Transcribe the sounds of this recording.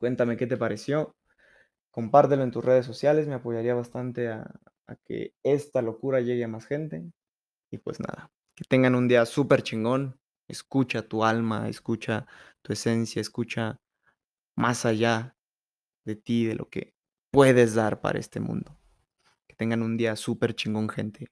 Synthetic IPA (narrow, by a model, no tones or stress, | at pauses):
kwe̞nt̪ame̞ke̞t̪e̞paɾe̞sjo̞ | ko̞mpaɾt̪elo̞e̞nt̪usre̞ðes̬ːo̞sjale̞sme̞apo̞ʝaɾiaβast̪ant̪e̞a̰ː | kḛest̪alo̞kuɾaʝe̞ɣeamasxe̞nt̪e̞ | ipwe̞̰zna̰ða | ke̞t̪e̞ŋɡanũnd̪iasupe̞ɾt͡ʃiŋɡo̞n | e̞̰skut͡ʃat̪ualmaḛskut͡ʃat̪ue̞se̞nsjaeskut͡ʃa | mʔasaʝa | ðe̞t̪iðe̞lʔo̞̰ke̞̰ | pwe̞ðe̞zðaɾpa̰ɾa̰e̞̰st̪e̞̰mṵ̃nd̪o | ket̪e̞ŋɡanũnd̪iasupe̞ɾt͡ʃiŋɡo̞ŋxe̞nt̪ʰe̞